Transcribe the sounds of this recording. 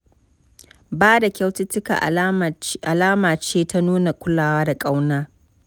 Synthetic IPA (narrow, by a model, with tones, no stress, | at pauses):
baː˦da˨kʲa˦wtɪ˦tɪ˦ka̰˨ʔ | ʔa˨laː˦maː˨t͡ʃeː˦ta˦nuː˦na˨kʷʊ˦laː˨waː˦da˨kʼa˦wnaː˦